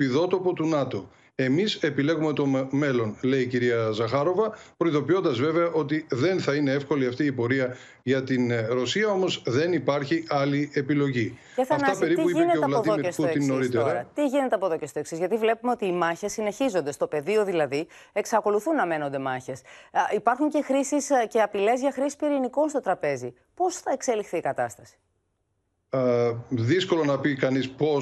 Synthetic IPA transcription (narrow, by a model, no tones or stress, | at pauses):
piðo̞t̪opot̪unɐt̪o̞ | e̞mise̞pile̞ɣume̞t̪o̞me̞lo̞nle̞iciɾiɐzɐxɐɾo̞vɐpɾo̞iðo̞pio̞nd̪ɐzve̞ve̞ɐʔo̞t̪̬iðe̞nθɐine̞efko̞liɐft̪iːpo̞ɾiɐ | ʝɐt̪inɾo̞siɐo̞mo̞zðe̞nipɐɾçiɐlie̞pilo̞ʝi | eθɐfnɐt̪ɐpe̞ɾipuiineeoeɐlɐðoest̪inoɾit̪eɾɐt̪iʝine̞t̪eɐpo̞ðo̞cest̪o̞e̞ksizʝɐt̪ivle̞pumeo̞t̪iːmɐçe̞sːine̞çizo̞nd̪e̞st̪o̞pe̞ðio̞ðilɐði | e̞ksɐko̞luθunːɐme̞no̞nd̪e̞mɐçe̞sipɐɾxuɲce̞xɾisisce̞ɐpile̞zʝɐxɾisi̥spiɾinikonst̪o̞t̪ɾɐpe̞zi | po̞sθɐe̞kse̞lixθiːkɐt̪ɐst̪ɐsi̥ | ðisko̞lonɐpikɐnispo